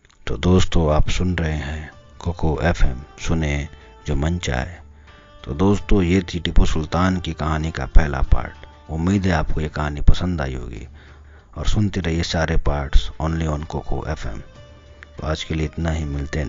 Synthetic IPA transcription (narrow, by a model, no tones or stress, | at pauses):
t̪o̰ːd̪oːst̪oaːpsʊnɾɐɦeɦɛ̃ | koːkʰoʔeːfʰɛːmsʊne | d͡ʒoːmə̃nt͡ʃa̰ːɦeː | t̪o̰ːd̪oːst̪õjet̪ʰiʈɪposʊlt̪aːnkikɐɦaːnika̰pɛɦla̰pa̰ːɾʈ | ʊmːiːd̪ʱɦɛaːp̚kojekɐɦaːnipɐsə̃nd̪a̰ːiɦo̰ːɡḭː | ɔːɾsʊnt̪iɾɐɦiesaːɾepaːɾʈsɔːnliɔːnkoːkʰo̰ʔḛːfʰɛ̰ːm | t̪o̰ːaːd͡ʒkelieɪt̪naɦimɪlt̪e